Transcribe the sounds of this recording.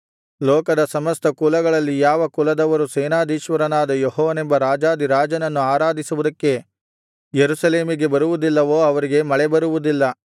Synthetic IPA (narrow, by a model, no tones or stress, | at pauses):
lɔːkɐd̪ɐsɐmɐst̪ɐkulɐɡɐɭɐlːijaːʋɐkulɐd̪ɐʋɐɾuseːnaːd̪iːʃʋɐɾɐnaːd̪ɐjɔɦɔːʋɐnembɐɾaːd͡ʒaːd̪iɾaːd͡ʒɐnɐnːuaːɾaːd̪ʱisuʋud̪ɐkːe̞ | jeɾuʃɐle̞ːmiɡe̞bɐɾuʋud̪ilːɐʋo̞ːɐʋɐɾiɡe̞mɐɭɛbɐɾuʋud̪ilːɐ